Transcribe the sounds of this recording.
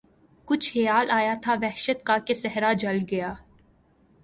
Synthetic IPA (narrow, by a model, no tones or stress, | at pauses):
kʊt͡ʃʰhɪjaːlʔaːjat̪ʰaʋɛɦʃət̪̚kakesɛɦɾad͡ʒɐlɡɐjaː